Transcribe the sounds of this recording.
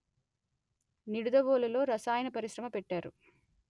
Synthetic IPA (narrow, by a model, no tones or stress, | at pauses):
niɽud̪ɐʋoːlɐlo̞ːɾɐsaːjɐnɐpɐɾiʃɾɐmɐpɛʈːaːɾṵ